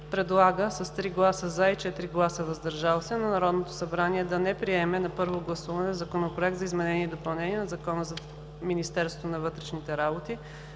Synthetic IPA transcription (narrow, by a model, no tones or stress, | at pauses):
pɾɛd̪lˠaɡəsɐst̪ɾiɡlˠasəzait͡ʃɛt̪ɾiɡlˠasəvɐzd̪ɐɾʒalˠosʲɛnɐnɐɾɔd̪not̪o̥sɐbɾaniɛd̪ɐnɛpɾiɛmɛnɐpɤɾvoɡlˠɐsuvɐnɛzɐkonopɾoɛk̚t̪zɐizmɛnɛniɛd̪opɐlˠnɛniɛnɐzɐkɔnəzɐ | minist̪ɛɾst̪vo̥t̪onɐvɤt̪ɾɛʃnit̪ɛɾabot̪i